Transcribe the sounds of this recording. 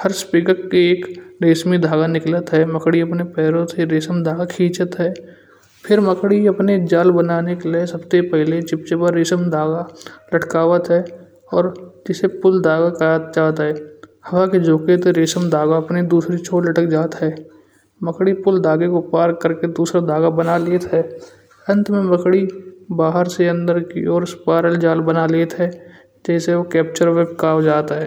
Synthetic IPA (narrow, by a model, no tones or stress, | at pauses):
həɾspikəkːeeːkɾeːsmid̪ʱaːɡanɪklət̪ɦɛːməkɽiɐpnepɛːɾot̪ʰeɾeːsəmd̪ʱaːɡakʰĩːt͡ʃət̪ɦɛː | pʰɪɾməkɽiɐpned͡ʒaːlbənaːnekelesɐbsepɛɦlet͡ʃɪp̚t͡ʃepəɾɾeːsəmd̪ʱaːɡalɐʈkaːʋət̪ɦɛː | ɔːɾd͡ʒɪsepʊld̪ʱaːɡakat̪̚d͡ʒaːt̪ɦɛːhɐʋaked͡ʒoːket̪eɾeːsəmd̪aːɡaɐpned̪uːsɾit͡ʃʰoːʈləʈəkd͡ʒaːt̪ɦɛː | məkɽipʊld̪aːɡekopaːɾkəɾked̪uːsɾad̪aːɡabənaleːt̪ɦɛː | ɾə̃nt̪mẽməkɽibaːɦəɾseɐ̃nd̪əɾkḭɔːɾspaːɾəld͡ʒaːlbənaleːt̪ɦɛː | d͡ʒɛːseokɛːp̚t͡ʃəɾʋeːbkaːwd͡ʒaːt̪ɦɛː